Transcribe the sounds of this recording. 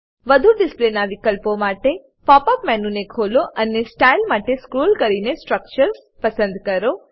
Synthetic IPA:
ʋəd̪ʱuɖɪsplenaʋikəlpomaʈe | pɔpəpmɛnunekʰoloʔənesʈailmaʈeskɾuːlkəɾinesʈɾək̚t͡ʃəɾs | pəsə̃nd̪kəɾo

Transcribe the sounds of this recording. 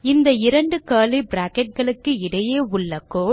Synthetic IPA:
ɪnd̪ɐɪɾɐɳɖɯkaːlibɾaːkɛʈ̚ɣɐɭɯkːɯɪɽɐjeːʊɭːɐkːoː

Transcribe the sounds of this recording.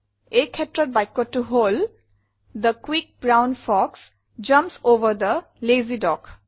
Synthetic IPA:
ekʰːɛtːɹɔt̚bajkːɔtːuɦol | d̪əkwik̚bɹawnfɔks | d͡ʒʌ̃mpsoʋəɹd̪ə | lezidɔk

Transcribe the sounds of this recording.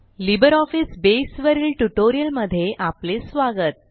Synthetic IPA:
libəɾɔfisbesʋəɾiːlʈuʈoɾijəlməd̪ʱːjeʔaplesʋaɡət̪̚

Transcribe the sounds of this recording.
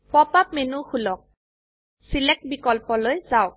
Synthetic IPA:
pɔpap̚menuxulɔk̚ | silɛk̚t̚bikɔlpɔlojzaʊk̚

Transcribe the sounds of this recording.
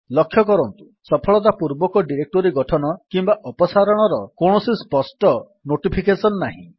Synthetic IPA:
lɔkʰːjɔkɔɾɔnt̪u | sɔpʰɔɭɔt̪̬apuɾbɔkɔɖiɾek̚ʈoɾiɡɔʈʰɔnɔkimbaʔɔpɔsaɾɔɽ̃ɔɾɔkoɳ̃ɔsispɔsʈɔ | noʈipʰikesɔnɔːaɦḭ̃

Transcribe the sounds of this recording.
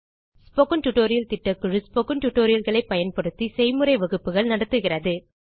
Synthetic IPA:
spokɯnʈʊʈːoːɾɪjɐlt̪ɪʈːɐkːɯɻɯspokɯɳʈʊʈːoːɾɪjɐlɣɐɭɐɪpːɐjɐnpɐɽɯt̪ːisɛɪmɯɾɐɪʋɐɣɯpːɯɣɐɭnɐɽɐt̪ːɯɣɪrɐðɯ

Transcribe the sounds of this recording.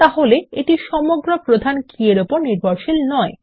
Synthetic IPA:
t̪aɦoleeʈiʃɔmoɡɾopɾod̪ʱankʰieɾupoɾniɾbʱoɾʃilnɔe

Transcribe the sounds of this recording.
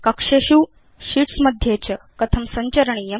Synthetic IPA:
kɐkʂeɕuː | ɕiʈsməd̪ʱjet͡ɕə | kɐt̪ʰəmsəɲt͡ɕəɾəɳ̃ije

